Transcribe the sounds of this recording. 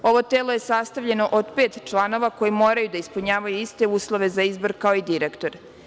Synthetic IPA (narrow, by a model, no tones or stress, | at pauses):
o̞ʋo̞t̪eːlˠo̞je̞sast̪aʋʎe̞no̞ʔod̪peːt̪t͡ʃlˠaːno̞ʋako̞jimo̞ːɾajud̪aispuɲaːʋajuist̪e̞uːslˠo̞ʋe̞zaizbo̞ɾkao̞id̪iɾekt̪o̞ɾ